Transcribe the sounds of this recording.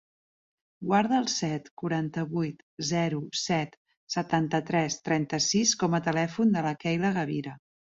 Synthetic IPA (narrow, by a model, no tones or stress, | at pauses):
ɡwaɾðəːlˠsɛt̪kuɾant̪əβujt̪ | zɛɾusɛt̪ | sət̪ant̪ət̪ɾɛst̪ɾɛnt̪əsiskɔmət̪əlɛfund̪ələkɛjləɣəβ̞iɾə